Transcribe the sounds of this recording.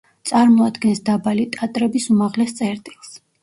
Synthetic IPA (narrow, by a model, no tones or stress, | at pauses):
t̪sʼaɾmɔad̪ɡɛnsd̪abalit̪ʼat̪ʼɾɛbisumaʁlɛst̪sʼɛɾt̪ʼilˠs